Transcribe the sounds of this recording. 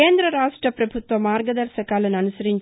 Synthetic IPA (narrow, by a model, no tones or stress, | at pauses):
eːnd̪ɾɐɾaːʂʈrɐpɾɐbʱut̪ʋɐmaːɾɡɐd̪ɐɾsɐkaːlɐnɐnusɐɾiɲt͡ʃ